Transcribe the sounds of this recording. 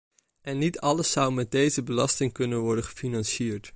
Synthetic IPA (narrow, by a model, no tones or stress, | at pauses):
ʔɛnːitʰɑləsʌwmɛd̚dejzəbəlɑstɪŋkɵnənʋɔɹdəχə̥finɑnʃiːɹt